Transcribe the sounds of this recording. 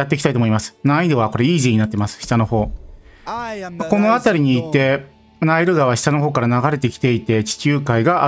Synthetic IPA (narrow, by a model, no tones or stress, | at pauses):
at̪ːe̞kʲit̪ait̪omoimasɨ̥nãid̪e̞βako̞ɾe̞iːʑiɲ̟inat̪ːemasɨ̥ɕi̥t̪ano̞ho̞ː | ko̞no̞at̪aɾʲiɲ̟iːt̪e̞ | naiɾɯ̟ɡaβaɕi̥t̪ano̞ɦo̞ːkaɾanaɡaɾe̞t̪ekʲi̥t̪e̞it̪e̞t͡ɕi̥t͡ɕɨːkaiɡaʔa